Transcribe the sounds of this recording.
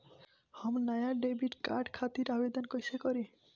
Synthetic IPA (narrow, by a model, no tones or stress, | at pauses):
hɔmnajaɖebiʈka̰ɾɖkʰat̪iɾabed̪onkojʃekoɾi